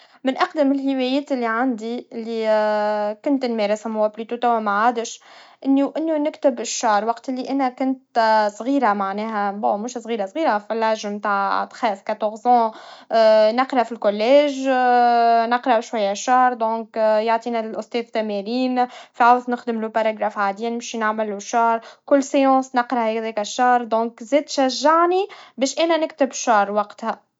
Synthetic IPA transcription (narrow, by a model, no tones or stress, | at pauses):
mɪnʔɑqd̪əmɪlhɪwɛjɛːt̪ɪlːiʕand̪iɪlːi | kʊnt̪nmɛːɾɪsmʊwæplyt̪ut̪æwːæmaʕaːd̪ɪʃʔɪnːuʔɪnːunɪkt̪ɪbɪʃːɑːɾˤwɑqt̪ɪlːiʔænækʊnt̪sˤɣiːɾamaʕnɛːɦæbõːmuːʃsˤʁiːɾasˤɣiːɾafilʕaʒmt̪aːʕt̪xɛfkat̪ɔɣzɑ̃ː | nɑqɾˤɑfilkʊlːɛːʒ | nɑqɾˤɑʃwajːæʃːɑhɾˤd̪ɔ̃ːkjaʕt̪ˤiːnælʔʊst̪ɛːðt̪æmæɾiːnfiʕawznɪxd̪ɪmlupaɾˤaɡɾaːfʕad̪jænɪmʃinaʕmɪlːuʃɑːɾˤkʊlːseɑ̃ːsnɪqɾɑhɛðɛːkæʃːɑhɾˤd̪ɔ̃ːkzɛːd̪ʃæʒːaʕnibɛːʃʔɛːnænɪkt̪ɪbʃɑːɾˤwɑqt̪hæ